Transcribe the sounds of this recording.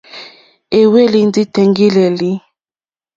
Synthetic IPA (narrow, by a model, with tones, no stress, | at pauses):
e˨we˦li˦n˦di˦tɛ˨ŋɡi˦le˨li˦